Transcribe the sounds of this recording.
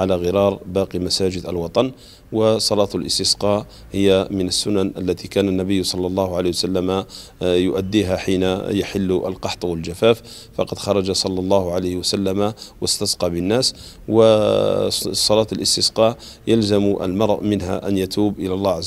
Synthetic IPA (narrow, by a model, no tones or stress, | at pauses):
ʕalaɣɪɾɑɾˤbɑːqimæsæːd͡ʒɪd̪əlwɑt̪ˤɑn | wəsˤɑlɑːt̪lʔəst̪əsqɑ | həjːamənəsːʊnanʔəlːæt̪ikæːnanːæbəjːsˤɑlːɑlˤːɑːhʊʕaleːwsalːæmajʊʔæd̪ːiːɦaħiːnajaħɪlːʔə̰lqɑħt̪ˤwəld͡ʒafæːf | fɑqɑd̪xɑɾˤɑd͡ʒasˤɑlːɑlˤːɑːhʕalajhwæsalːamawəst̪ɑsqɑbənːæːs | wə | sˤːɑlɑːt̪lʔəst̪əsqɑʕ | jalzamʔə̰lmɑɾˤʔmənɦæ̰ʔænjat̪uːbʔəlælˤːɑʕa